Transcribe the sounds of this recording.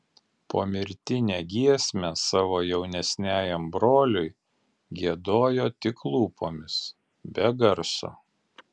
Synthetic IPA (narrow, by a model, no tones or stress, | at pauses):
po̰ːmʲɪɾʲt̪ʲɪnʲeːɡʲiɛsʲmʲɛsɑːʋoːjɛʊnʲɛsʲnʲæːjɛmbɾoːlʲʊɪ | ɡʲiɛd̪oːjoːt̪ʲɪklˠuːpoːmʲɪs | bʲɛɡɐɾso̰ː